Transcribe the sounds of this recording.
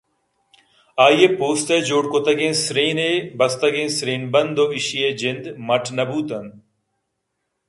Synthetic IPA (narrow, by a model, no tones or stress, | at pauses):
aːjeːpoːst̪eːd͡ʒoːɽkot̪ɐɡẽːnsɾĩːneːbɐst̪ɐɡẽːsɾĩːnbɐnd̪oːɪʃieːd͡ʒɪnd̪mɐʈʰnɐbuːt̪ɐn